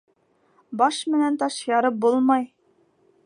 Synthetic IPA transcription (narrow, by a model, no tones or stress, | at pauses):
bɑʃmɘ̆nænt̪ɑʃjɑɾɤp̚bulˠmɑj